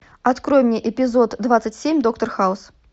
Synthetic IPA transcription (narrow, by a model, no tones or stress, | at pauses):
at̪kɾɔjmʲnʲiʔɛpʲizɔt̪ːvat̪sɐt͡sʲsʲemʲd̪ɔk̚t̪ɐrxaws